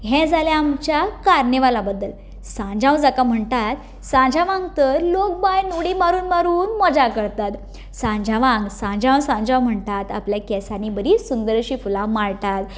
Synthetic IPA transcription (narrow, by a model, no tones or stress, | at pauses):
ɦɛ̃d͡zaljaːmt͡ɕjakaɾɳeʋalabəd̪ːəl | sãd͡ʑãw̃d͡zakam̤əɳt̪at̪̚ | sãɲd͡ʑʱaʋãŋɡt̪əɾlok̚bajnuɽimaɾuːnmaɾuːnmɔd͡ʑakəɾt̪at̪ | sãɲd͡ʑʱaʋãŋɡsãɲd͡ʑãw̃sãɲd͡ʑãwm̤əɳt̪at̪a̰pljakɛsanibəɾisund̪əɾɕiːfulãmaɭt̪at̪